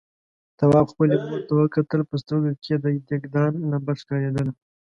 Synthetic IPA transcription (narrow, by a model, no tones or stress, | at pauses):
t̪awɑbxpəlemoɾt̪awəkat̪əlpəst̪oɡakʰed̪əd̪eɡd̪ɑnːabaʃkɑɾed̪əl